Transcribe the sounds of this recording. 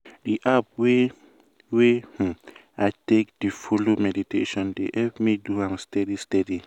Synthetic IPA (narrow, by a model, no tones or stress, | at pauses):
diʔap̚we | weh̩ | aɪtek̚d̥ifolomɛditeʃɔ̃ndḛhɛpmiduãmstɛdistɛdi